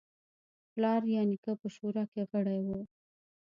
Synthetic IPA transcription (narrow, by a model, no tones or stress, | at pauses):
plɑɾjɑnikəpəʃuɾɑkeɣəɽajwu